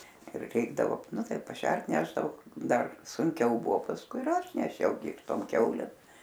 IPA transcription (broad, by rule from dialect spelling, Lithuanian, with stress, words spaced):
ɪr ˈrʲɛɪɡdɐʋoː ˈnʊ ˈtɐɪ pɐˈʃʲɛrt ˈnʲæːʒdɐʋoː ˈdɐr sʊŋʲˈkʲɛʊ ˈbʊʋoː pɐsˈkʊɪ ɪr ˈɐʃ nʲɛˈʃʲɛʊ ɡʲɪ ɪr ˈtoːm ˈkʲɛʊlʲeːm